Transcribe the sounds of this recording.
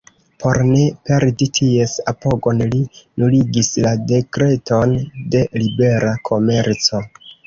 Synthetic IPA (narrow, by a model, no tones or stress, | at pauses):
pʰo̞ɾne̞pe̞ɾditʰie̞sapo̞ɡo̞nlinuliɡislade̞kɾe̞to̞nde̞libe̞ɾakʰo̞me̞ɾt͡so̞